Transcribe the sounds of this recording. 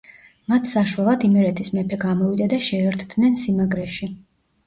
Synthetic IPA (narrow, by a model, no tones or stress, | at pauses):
mat̪ʰsaʃwalˠad̪imɛɾɛt̪ʰismɛpʰɛɡamɔvid̪ad̪aʃɛːɾt̪ʰd̪nɛnsimaɡɾɛʃi